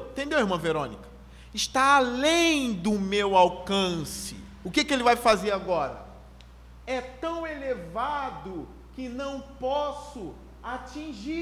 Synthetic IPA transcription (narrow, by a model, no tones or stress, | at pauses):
t̪ẽnd̪ewiɾmɐ̃veɾõ̰nikɐ̥ | ɪʃt̪aːlẽj̃d̪ʊmewawkɐ̃sɪ̰ | ʊkekɪelɪvajfazeɾaɡɔɾɐ̰ | ɛt̪ɐ̃w̃elevad̪ʊ | kɪnɐ̃w̃pɔsʊ | at͡ʃĩʒi